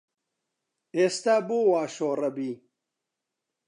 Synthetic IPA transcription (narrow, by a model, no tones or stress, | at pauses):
eːst̪aːboːwaːʃoːrɐbiː